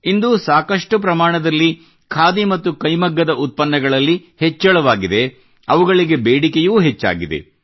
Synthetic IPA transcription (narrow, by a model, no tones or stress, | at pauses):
ind̪uːsaːkɐʂʈup̬ɾɐmaːɳɐd̪ɐlːi | kʰaːd̪imɐt̪ːukɐjmɐɡːɐd̪ɐʔut̪̚pɐnːɐɡɐɭɐlːihet͡ʃːɛɭɐʋaːɡid̪e̞ | ɐʋuɡɐɭiɡe̞beːɽikejuːɦet͡ʃːa̰ːɡid̪e̞̰